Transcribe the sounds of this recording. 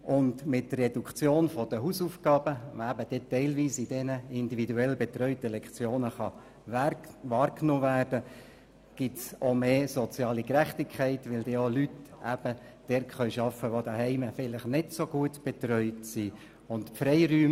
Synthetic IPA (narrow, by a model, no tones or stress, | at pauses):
ʔʊndmɪtːərːɛdukχt͡sjoːnfɔd̥əɦuːsufɡ̥ɑːb̥əæbəd̥ɛtːɛɪlʋiːsid̥ɛnəɪndividuɛlbɛtrœʏtəlɛkχt͡sjoːnəχɑ | ʋɑːrknoːvæːrd̥ə | ɡ̥ɪtsomeːsɔt͡sjɑːlikɾæχtikʰχæɪtʋɪldɛolytʔæb̥ə | d̥ɛɾkχœʏʃɑfəʋodəɦɛɪməfɪləχnɪtsoɡ̥uətb̥ɛt̪ɾœʏtsiː | ʊntfɾɛɪɾyːm